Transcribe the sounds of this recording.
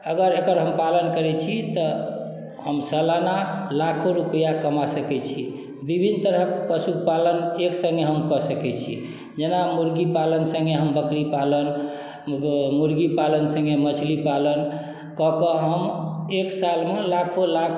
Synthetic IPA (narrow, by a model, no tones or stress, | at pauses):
əɡəɾekəɾɦəmpalənkəɾɛt͡ʃʰit̪ɔ | həmsəlanalakʰoɾupəjakəmasəkɛt͡ʃʰi | bibʱint̪əɾəkpəsupaləneksə̃ŋɡeɦəmkɔsəkɛt͡ʃʰḭ | d͡ʒenamuɾɡipalənsə̃ŋɡeɦəmbəkɾipalən | muɾɡipalənsə̃ŋɡemət͡ʃʰlipalən | kɔkəɦəmeksalmelakʰola